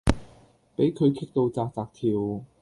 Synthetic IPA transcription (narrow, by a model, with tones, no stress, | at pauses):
pe˨˥jkʰɵ˨˧ɥkʰɪ˥k̚t̪o˧wt͡saː˧k̚t͡saː˧k̚t̪ʰiː˨w